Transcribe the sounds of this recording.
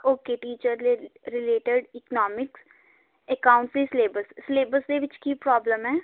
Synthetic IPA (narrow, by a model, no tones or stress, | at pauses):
oːkeʈiːt͡ʃəɾɾɪleːʈəɖɪknɔːmɪks | ekaːʊ̃ɳʈsisleːbəssleːbəsd̪eʋɪt͡ʃkipɾɔːbləmɦɛː